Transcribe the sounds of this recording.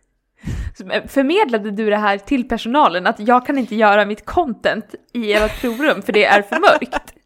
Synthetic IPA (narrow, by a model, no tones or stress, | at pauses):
mɛfœɾmeːd̪lad̪əd̪ɵd̪ɛɦæːɾʈʰɪlpʰæʂʊnɑːlənat̪jɑːɡ̚kʰanɪnt̪əjœːɾamɪt̪kʰɔnt̪ɛnt̪ɪeːɾapʰɾuːɾɵmːfœɖɛʔæɾfœɾmœɾkt̪